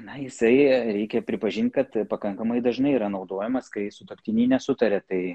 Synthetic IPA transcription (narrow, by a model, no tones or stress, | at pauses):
nɐjɪsɐɪɾʲɛɪkʲɛpʲɾʲɪpɐʒʲɪnt̪ʲkɐt̪pɐkɐŋkɐmɐɪd̪ɐʒnɐɪiːɾɐnɒʊd̪oːjɛmɐskɐɪsʊt̪opʲt̪ʲɪnʲiːnʲɛsʊt̪ɐɾʲɛt̪ɐɪ